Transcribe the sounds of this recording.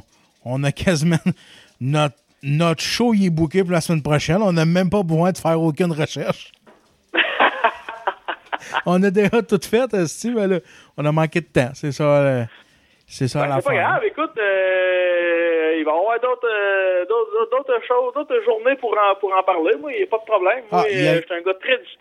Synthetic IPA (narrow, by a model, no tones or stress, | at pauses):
ɔ̃nəkʲʰazimã | nɔt̪ | nɔt̪ʃoiebukʲepuʁlasmɛnpʁɔʃɛnɔ̃nəmɛ̃mpʌbəzwɛ̃d̪əfæːʁokʲynʁəʃɛʁʃ | ɔ̃ːnəd̪eʒʌt̪ut̪fɛt̪st͡simɛlʌ | ɔ̃nəmɑ̃ːkʲed̪ət̪ãsesʌ | sesɔlasepɔɡʁavekʊt̪ə | ivãvwɛʁd̪ot̪əd̪ot̪d̪od̪ot̪ʁəʃoʊzd̪oːt̪χʒuʁnepuʁɑ̃puʁɑ̃paʁlemwailjɐpʌd̪̚pʁɔblɛ̃mːaijae̥t̪ɛ̃ɡʌt̪ʁɛd͡z